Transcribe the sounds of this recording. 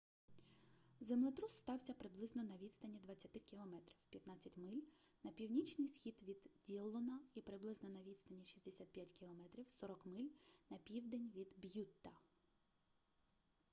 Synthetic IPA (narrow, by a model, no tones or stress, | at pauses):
zemlˠɪt̪ɾusst̪ɑwsʲɐpɾɪblˠɪznɔnɐʋʲid̪st̪ɐnʲid̪ʋɐt͡sʲːɐt̪ɪkʲilˠɔmɛt̪ɾʲiwpʲjɐt̪nɑt͡sʲːɐtʲmɪlʲ | nɐpʲiwnʲit͡ʃnɪjsxʲid̪ʋʲid̪dʲilˠɔnɐipɾɪblˠɪznɔnɐʋʲid̪st̪ɐnʲiʃʲi̥sʲd̪esʲat̪̚pʲjatʲkʲilˠɔmɛt̪ɾʲiwsɔɾɔkmɪlʲnɐpʲiwd̪enʲʋʲid̪bjut̪ːɐ